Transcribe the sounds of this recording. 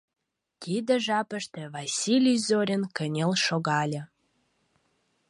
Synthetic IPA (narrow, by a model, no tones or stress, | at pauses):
t̪id̪ə̆ʒɑpə̆ʃt̪ĕvɑsʲilʲyjzoɾʲə̆nkə̆nʲelʃoɣɑlʲə̆